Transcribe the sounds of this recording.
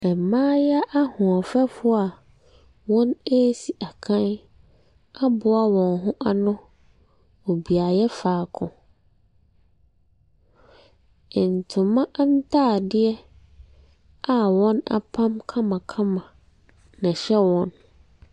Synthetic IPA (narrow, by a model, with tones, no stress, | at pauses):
ɛ˨mãː˦jɛ˦ʔa˦hʊ̃˨ɔ˨fɛ˦fʊ˦a˨ | wɔ̃˦ne˦si˨ʔa˨kʰã˦n | a˦bʊ˦a˦wɔ̃˨nɦʊ̃˦ʔa˦nʊ̃˦ | o˨bi˨a˨jɛ˦faː˨kʰʊ̰̃˨ | ɪ˨n̩˨tʰʊ̃˨mã˦ʔa˦n̩˦tʰaː˦˨dɪ˦ɛ˦ | a˨wɔ̃˦na̰˨pʰã˦mkʰã˦mã˨kʰã˦mã˨ | nã˨ɕɛ˦wɔ̃˦n